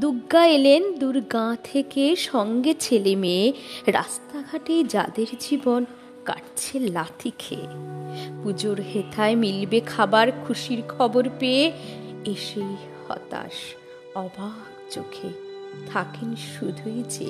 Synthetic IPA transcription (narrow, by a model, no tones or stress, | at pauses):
d̪uɡːaelend̪uɾɡãt̪ʰekeʃɔŋɡet͡ɕʰelemeɾa̰st̪aɡʱaʈed͡ʑa̰d̪eɾd͡ʑibon | ka̰ʈt͡ɕʰelat̪ʰikʰḛ | pud͡ʑoɾɦet̪ʰaemilbekʰabaɾkʰuʃiɾkʰɔboɾpeeeʃej | hɔ̰t̪a̰ʃ | ɔba | t͡ɕokʰe | t̪ʰakenʃud̪ʱued͡ʑḛ